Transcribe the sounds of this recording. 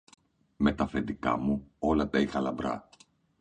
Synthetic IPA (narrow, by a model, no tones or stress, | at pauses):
me̞t̪ɐfe̞nd̪ikɐ̰muo̞lɐt̪ɐixɐlɐbɾɐ̰